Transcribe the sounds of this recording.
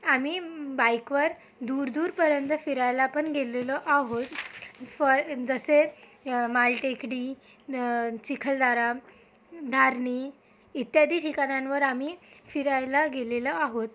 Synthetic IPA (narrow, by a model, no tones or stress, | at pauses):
amiːbajkʋəɾ | d̪uɾd̪uːɾpəɾjənt̪əfiɾajlapəɳɡʱeleləʔaɦot̪fəɾd͡zəse | malʈekɽi | t͡ɕikʰəld̪aɾa | d̪ʱaɾɳiː | it̪jad̪ʱiːʈʰikaɳjãnʋəɾamifiɾajlaɡeleləaɦot̪